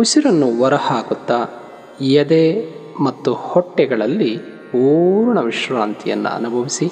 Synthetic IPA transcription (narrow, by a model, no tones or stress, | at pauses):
usiɾɐnːuʋɐɾɐhaːkut̪ːɐ | jɐd̪emɐt̪ːuhɔʈːɛɡɐɭɐlːi | puːɾɳɐʋiʂɾaːnt̪ʰijɐ̰nːṵɐ̰nubʱɐʋisi